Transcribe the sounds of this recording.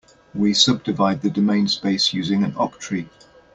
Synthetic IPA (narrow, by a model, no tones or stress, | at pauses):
wisʌb̚dɪvaɪd̪̚ðədəmẽɪ̃nspeɪsjʉːzɪ̃ŋə̃nɒktʰɹ̥i